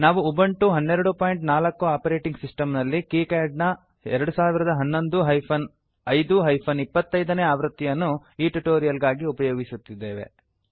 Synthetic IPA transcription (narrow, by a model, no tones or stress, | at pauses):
naːʋuubɐɳʈuɦɐnːeɾɐɽupaːjiɳʈnaːlɐkːuaːpɐɾe̞ːʈiŋɡsisʈɐmnɐlːikiːkaːɖnɐ | ɛɾɐɽusaːʋiɾɐd̪ɐɦɐnːo̞nd̪uɦɐjpʰɐn | ɐjd̪uɦɐjpʰɐnipːɐt̪ːɐjd̪ɐneːaːʋɾut̪ːijɐnːu | iːʈuʈoːɾijɐlɡaːɡiupɐjoːɡisut̪ːid̪ːe̞ːʋe̞̰